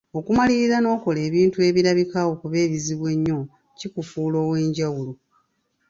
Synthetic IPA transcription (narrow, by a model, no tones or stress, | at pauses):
o̞kumaliɾizano̞ːko̞le̞ːβiːntue̞βiɾaβikawo̞kuβe̞ːɾiziβwe̞ɲːo̞ | cikufuːlo̞ːwe̞ːɲɟawulo